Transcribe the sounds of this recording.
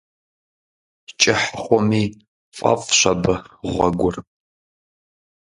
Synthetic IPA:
t͡ʃʼɪħχʷɔmiː | fʼa̰fʼɕʷɐbɨʁʷɐɡʷʊr

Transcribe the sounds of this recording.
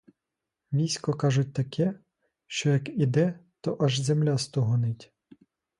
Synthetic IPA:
ʋʲijsʲkɔkɑʒʊt̚ʲt̪ɐkʰɛ | ʃt͡ʃɔjɐkid̪ɛt̪ɔʔɐʒzemlʲast̪ɔɦɔnɪtʲ

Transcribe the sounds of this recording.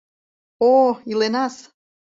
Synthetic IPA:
oilenɑs

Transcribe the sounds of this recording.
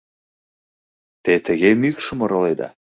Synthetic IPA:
t̪et̪əɣemykʃə̆moɾoled̪ɑ̰

